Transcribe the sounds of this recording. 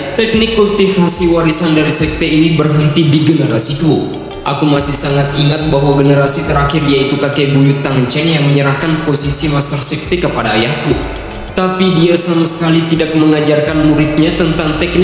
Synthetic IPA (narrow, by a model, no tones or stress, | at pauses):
t̪ɛk̚nɪkːult̪ifasiwaɾisandaɾisɛk̚t̪einibərɦənt̪idiɡənəɾasiku | ʔakumasɪhsaŋat̪iŋat̪̚baɦwaɡənəɾasit̪əɾakɪriait̪ukakebuɲʊt̪ːaŋəɲt͡ʃɛnjaŋməɲəɾahkanposisimast̪ərsɛk̚t̪ekəpadaːjahku | t̪apidiasamasə̥kalit̪idak̚məŋad͡ʒarkanmuɾɪt̪̚ɲat̪ənt̪aŋt̪ɛk̚n